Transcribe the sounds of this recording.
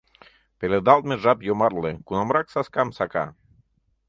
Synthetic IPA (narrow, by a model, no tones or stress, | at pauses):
peled̪ɑlt̪̚meʒɑpjomɑrlekunɑmɾɑksɑskɑmsɑkɑ̰